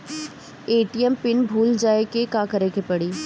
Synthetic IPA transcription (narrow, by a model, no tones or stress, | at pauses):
eːʈijəmpɪnbʱuːld͡ʒaːekekaːkɐɾekepɐɽiː